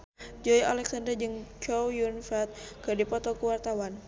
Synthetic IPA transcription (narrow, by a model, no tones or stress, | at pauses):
d͡ʒɔja̰lɛksandərd͡ʒɨŋt͡ʃɔwjunfat̪̚kɨdipɔt̪ɔkuwart̪awan